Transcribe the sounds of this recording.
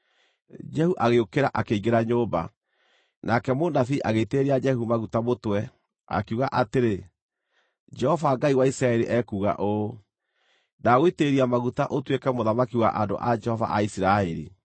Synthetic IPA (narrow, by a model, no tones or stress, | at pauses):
d͡ʒɛhuʔaɣeokeɾaʔakeiɡeɾaɲoba̰ | nakɛmonafiːʔaɣeiteɾiad͡ʒɛhumaɣutamotwɛ | a̰kuɣaʔateɾe | d͡ʒɛhɔvaɡaiwaisɾaɛɾiʔɛkuːɣa̰ʔo | naɣoiteɾiamaɣutaʔotwekɛmoðamakiwa̰ʔando̰ʔad͡ʒɛhɔva̰ʔaisiɾaɛɾḭ